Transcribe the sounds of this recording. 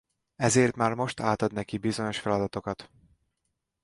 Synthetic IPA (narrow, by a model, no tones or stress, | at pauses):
ɛzeːrt̪maːrmo̞ʃt̪aːt̪ɒd̪nɛkibizo̞ɲo̞ʃfɛlɒd̪ɒt̪o̞kɒt̪